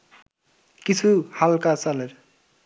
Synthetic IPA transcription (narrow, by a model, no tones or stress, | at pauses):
kit͡sʰuhalkat͡saleɾ